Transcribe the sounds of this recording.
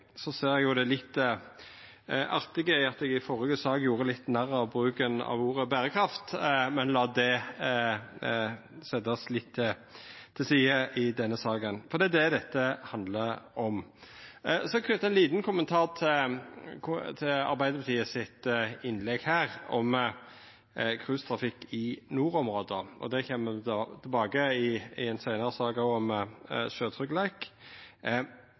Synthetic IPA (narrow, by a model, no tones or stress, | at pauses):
sɔseːɾɛɡjʊd̪ɛlɪt̪ː | ʔɑɾt̪ɪɡəɪɑt̪ɛɡɪfɔʁəɡəsɑːɡjuːɾəlɪt̪ːnæɾɑɔbɾʉːkənɑ̰ʋuːɾəbæːʁəkʰɾɑft̪mɛnlɑːd̪ɛ | sɛd̪ɑslɪt̪ʰːɪː | ɪlsiːəʔɪd̪ɛnːəsɑːɡənfɔɾd̪iːd̪ɛd̪ɛt̪ːəhɑnd̪ləɔm | sɔkʰʉnt̪ɛnliːt̪nkʰʊmənt̪ʰɑːʁt̪ʰɪkʰt̪ʰɪɑ̰ɾbæɪd̪əɾbət̪ʰiːəsɪt̪ɪnlɛɡhæːʁɔm | kʰʁʉːst̪ʰɾɑfɪkːɪnuːɾɔmʁoːd̪əʔɔ̰d̪ɛçɛmːət̪ʰɪlbɑːɡəɪɪɛnsæɪnəɾəsɑːɡɔɔmʃøːt̪ʰɾʏkːlæɪk